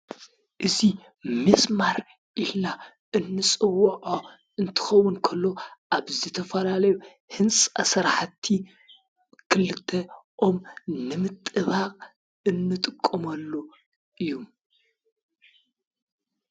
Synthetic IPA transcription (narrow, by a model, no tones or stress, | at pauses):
ʔɨzi | mɨsmaɾ | ʔilna | ɨnːɨsʼɨwːʕo | ɨnt̪ʰɨ̥xɐwːʊnkʰɐlːo̞ʔaβzɨt̪ʰɐfɐlalɐju | hɨnt͡sʼɐ̰sɐɾħt̪ʰi | kʰɨlɨt̪ʰːɐʔomnɨmɨt̪ʼɨβaqʼ | ɨnːɨt̪ʼɨkʼːɐmɐlːo | ʔɨjːum